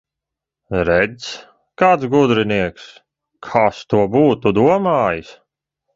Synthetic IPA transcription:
ɾɛd̪s | kaːt̪sɡud̪ɾiniɛks | kʰaːst̪uɔbuːt̪ud̪uɔmaːjɨs

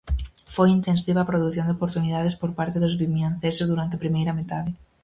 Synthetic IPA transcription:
fojint̪ẽnsiβaːpɾoðuθjõnd̪opoɾt̪uniðaðespoɾpaɾt̪eðozβimjãnθesezðuɾant̪eapɾimejɾamet̪aðe

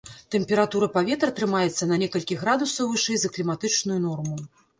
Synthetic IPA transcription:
t̪ɛmʲpʲɛɾat̪uɾɐpavʲɛt̪ɾɐt̪ɾɨmajɛt̪sːɐnɐnʲɛkɐlʲkʲiɣɾad̪usɐwvɨʂɛjzɐklʲimat̪ɨt͡ʂnujunɔrmu

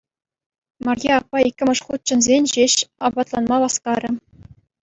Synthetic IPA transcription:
mɑrjeɑpːɑikʲːɘ̆mʲɘ̆ʂχut̪̚t͡ɕɘ̆nzʲenʲʑeɕɑbɑt̪lˠɑnmɑʋɑskɑɾʲɘ̆

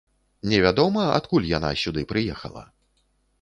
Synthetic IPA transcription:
nʲɛvʲad̪ɔmɐa̰t̪kulʲjana̰sʲud̪ɨpɾɨjɛxɐ̰lˠɐ̰

